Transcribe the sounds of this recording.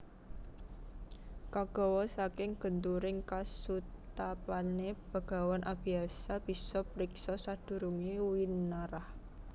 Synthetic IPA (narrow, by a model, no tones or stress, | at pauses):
kaɡ̥ɔ̤wɔsakɪŋɡ̥ənt̪uɾɪŋkasut̪apaneb̥a̤ɡ̥a̤wanʔab̥i̤asab̥isɔpɾiksɔsad̪̥ṳɾuŋiwinaɾah